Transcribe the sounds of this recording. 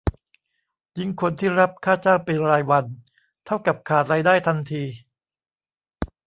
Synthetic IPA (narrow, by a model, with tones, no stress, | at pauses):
ji˥˩ŋkʰo˧nt̪ʰiː˥˩ɾa˦˥p̚kʰaː˥˩t͡ɕaː˥˩wpe˧nɾaː˧jwa˧n | t̪ʰa˥˩wka˨˩p̚kʰaː˨˩t̪̚ɾaː˧jdaː˥˩jt̪ʰa˧nt̪ʰiː˧